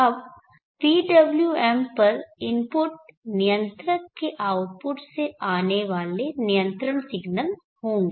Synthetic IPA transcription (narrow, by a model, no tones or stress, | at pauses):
ɐb | piːɖɐbljuɛːmpɐɾɪ̃mpʊʈ̚nɪjə̃nt̪ɾəkeʔaːʊʈ̚pʊʈseaːneʋaːlenijə̃nt̪ɾəɽ̃sɪɡnəl | hõːŋɡe